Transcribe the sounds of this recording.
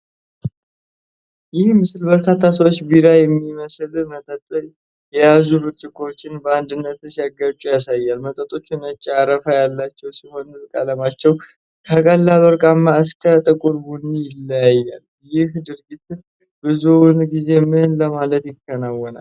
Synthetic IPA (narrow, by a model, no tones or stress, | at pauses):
jɪhmɨslbəɾkʰat̪ʰːasəwot͡ʃːbiɾajɛmːiməslmət̪ʼət̪ʼː | jɛjazubɨɾt͡ʃʼɪkʰo̞t͡ʃːɪnbəand̪ɨnːət̪sijaɡat͡ʃʼujasajːalmət̪ʼət̪ʼo̞t͡ʃːunət͡ʃʼːaɾəfajalːat͡ʃːɛwsiho̞nɨɾkʼaləmat͡ʃːɛw | kʰəkʼəlːaloɾkʼamːaɨskʰət̪ʼəkʼuɾbunːijɪlːəjajːal | jɪhd̪ɨɾɡit̪ɨ | bɨzunɡize̞mɨnləmalət̪jɪkːənawːɔna̰l